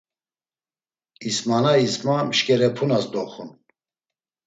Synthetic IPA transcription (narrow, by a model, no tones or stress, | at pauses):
ismanaismamʃkʼɛɾɛpʰunasd̪ɔχṵn